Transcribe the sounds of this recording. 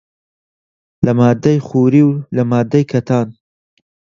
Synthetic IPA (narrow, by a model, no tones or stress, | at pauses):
lɐmaːd̪ɐjxuːɾiːwlɐmaːd̪ːɐjkʰɐt̪ʰaːn